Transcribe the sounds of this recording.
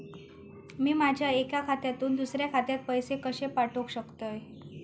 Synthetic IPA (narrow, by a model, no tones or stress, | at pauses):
miːmad͡ʑʱjaekjakʰat̪jat̪uːnd̪usɾjakʰat̪jat̪̚pəjsekəɕepaʈʰokɕəkt̪əj